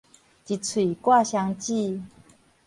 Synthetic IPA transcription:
t͡ɕi˨˩t͡sʰwi˨˩kwa˥˧˨ɕja˧ŋt͡ɕi˥˧

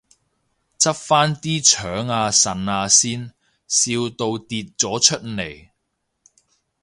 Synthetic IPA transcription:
t͡sɐ˥p̚faː˥nt̪iː˥t͡ʃʰœː˨˥ŋaː˧sɐ˨naː˧siː˥n | siː˧wt̪o˧wt̪iː˨˧t̚t͡sɔː˨˥t͡ʃʰɵ˥t̚ne˨˩j

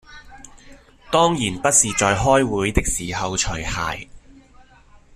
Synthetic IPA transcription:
t̪ɔː˥ŋjiː˨˩npɐ˥t̚siː˨t͡sɔː˨˧jɦɔː˥jwuː˨˧˥jt̪ɪ˥k̚siː˨˩ɦɐ˨wt͡ʃʰɵ˨˩jha̰ː˨j

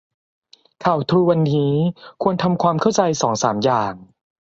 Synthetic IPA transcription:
kʰa˨˩wt̪ʰɾuː˧wa˧nːiː˦˥kʰu˧ənt̪ʰa˧mkʰwaː˧mkʰa˥˩wt͡ɕa˧jsɔː˩˦ŋsaː˩˦mjaː˨˩ŋ

